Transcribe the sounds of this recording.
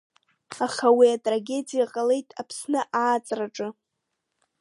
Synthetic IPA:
aχawiatʼraɡʲe̞d͡zijaqʼale̞jtʼapʰsnɨʔaːt͡sʼraʈ͡ʂʼɨ

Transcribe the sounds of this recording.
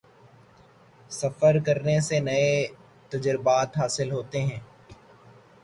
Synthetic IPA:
sɐfəɾkɐɾnesenɐe | t̪ɐd͡ʒɾɪbaːt̪ɦaːsɪlɦoːt̪eɦɛ̃ː

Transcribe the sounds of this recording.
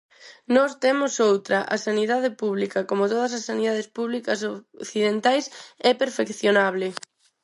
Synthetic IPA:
nɔst̪emʊsowt̪ɾɐʔɐ̰saniðaðɪpuβlikɐkomot̪oðɐsɐsːaniðað̞espuβlikɐsoθiðent̪ajsɛpeɾfekθjonaβlɪ

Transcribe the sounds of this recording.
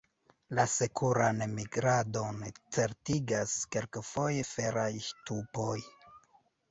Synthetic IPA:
lasekʰuɾanemiɡɾado̞nt͡se̞ɾtiɡaskelkfo̞je̞fe̞ɾajʃtupo̞j

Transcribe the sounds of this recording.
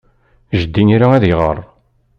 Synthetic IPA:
ʒəd̪ːinɾaæðjʁə̰rˤ

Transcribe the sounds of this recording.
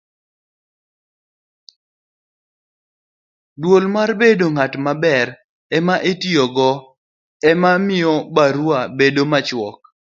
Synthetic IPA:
dwolmarbedoŋatmabɛɾ | ɛmaʔetiɔɡɔ | ɛmamɪɔbaɾwabedomat͡ʃwɔk̚

